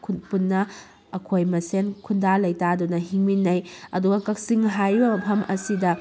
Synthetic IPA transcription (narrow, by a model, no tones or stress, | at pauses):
kʰunpunːɐ | ɐkʰojmɐsenkʰundalɐjtadunɐɦiŋminːɐjɐduɡɐkɐk̚siŋɦajbɐmɐpʰɐmʔɐ̰sidɐ